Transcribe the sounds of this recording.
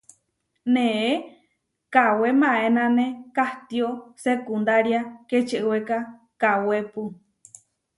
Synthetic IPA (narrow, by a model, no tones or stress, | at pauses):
nẽʔe | kawemãenãnẽkaht̪iosekund̪aɾjaket͡ʃeʔeweka | kawepu